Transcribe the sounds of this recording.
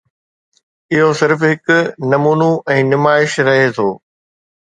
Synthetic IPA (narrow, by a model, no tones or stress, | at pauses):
ɪɦosɪɾfɦɪkʊnɐmuːnuɛ̃ːnɪmaːɪʃɾɐɦet̪ʰoː